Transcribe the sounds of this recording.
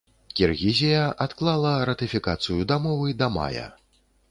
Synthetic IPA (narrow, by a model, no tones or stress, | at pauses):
kʲirɣʲizʲijɐʔat̪klˠalˠɐɾɐt̪ɨfʲikat̪sɨjud̪amɔvɨd̪ɐma̰jɐ̰